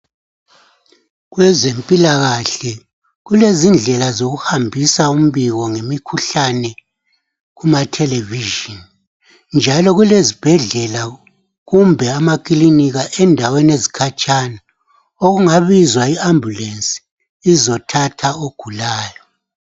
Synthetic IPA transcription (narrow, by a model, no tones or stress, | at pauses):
ɣwɛzempʼilaɣaɬɛ | ɣulezind͡ɮʱɛlazoɣuhambʱisaum̩βiɣɔŋemikʰuɬanɛ | ɣumatʰɛlɛviʒin | nd͡ʒʱalɔɣulezib̥ʱɛɮɛla | ɣumbʱɛamakʼliniɣaʔɛndʱawenezikʰat͡ʃʼana | oɣuŋaβizwaiambʱulensʼi̥ | izɔtʰatʰaoɡ̥ʱulaːjɔ